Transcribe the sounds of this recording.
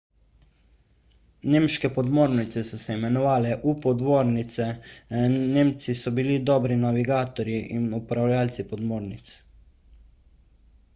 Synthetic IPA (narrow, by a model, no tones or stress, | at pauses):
neːmʃkɛpɔd̪moːɾnit̪sɛsɔsɛimɛnɔʋaːlɛʔupɔd̪ʋoːɾnit̪sɛ | neːmt̪sisɔbilid̪ɔːbɾinaʋiɡaːt̪ɔɾjiʔinupɾawljaːlt̪sipɔd̪moːɾnit̪s